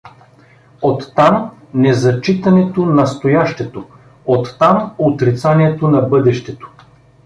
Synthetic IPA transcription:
ot̪ːamnɛzɐt͡ʃit̪ɐnɛt̪onɐst̪ojaʃt̪ɛt̪o | ot̪ːamot̪ɾit̪saniɛt̪onɐbɤd̪ɛʃt̪ɛt̪o̥

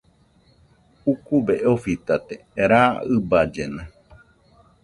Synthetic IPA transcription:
ukuβeʔofit̪at̪e | ɾaɨbad͡ʒena

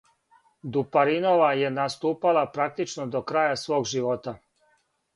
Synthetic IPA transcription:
d̪upaɾino̞ʋaje̞nast̪uːpalapɾak̚t̪it͡ʃnod̪o̞kɾaːjasʋo̞ːɡʒiʋo̞t̪a

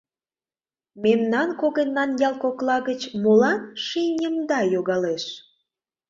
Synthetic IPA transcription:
memnɑnkoɣenːɑnjɑlˠkoklɑɣət͡ɕmolɑnʃinʲəmd̪ɑjoɣɑleʃ

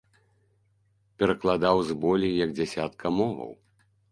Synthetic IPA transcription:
pʲɛɾɐklˠad̪awzbɔlʲijɐɡd͡zʲasʲat̪kʰɐmɔvɐ̰w

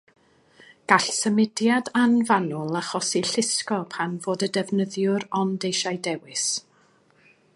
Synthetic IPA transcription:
ɡ̥aɬsəmɪdjadanvanʊlˠaχɔsiɬɪskɔpʰanvoːdədɛvnəðjʊɾɔndejʃajdɛwɪs

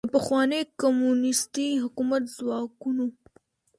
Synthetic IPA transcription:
əpaxwɑnekamunɪst̪iɦʊkumat̪zwɑkuno

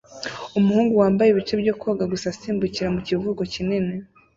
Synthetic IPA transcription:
umuhuːŋɡuwaːmbajeβit͡ʃe̞bɟo̞kʰoɡaɡusasiːmbuciɾamucivuɡo̞cinine

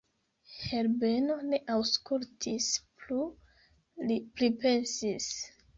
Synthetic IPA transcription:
heɾbeno̞ne̞ʔawskultʰisplu | iplipe̞nsis

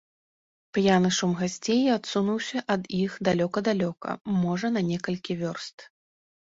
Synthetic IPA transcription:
pjanɨʂumɣasʲt͡sʲejat̪sunuwsʲɐʔɐd̪ixd̪alʲɔkɐd̪alʲɔkɐ̰mɔʐɐnɐnʲɛkɐlʲkʲivʲɔrst̪

